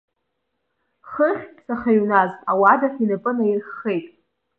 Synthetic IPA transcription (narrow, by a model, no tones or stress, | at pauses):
χəχʲpʰsaχaɥnaztʼawadaχinɨpʼɨnajirχːe̞jtʼ